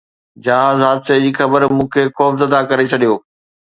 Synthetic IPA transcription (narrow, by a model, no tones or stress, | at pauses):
d͡ʑaːzɦaːd̪sed͡ʑiːxɐbəɾmũːkʰeːxɔːfzəd̪akɐɾet͡ɕʰɐɗijoː